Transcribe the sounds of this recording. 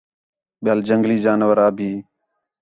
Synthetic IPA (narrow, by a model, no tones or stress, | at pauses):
ɓɪjaːld͡ʒəŋɡliːd͡ʒaːnʋəɾaːbʱiː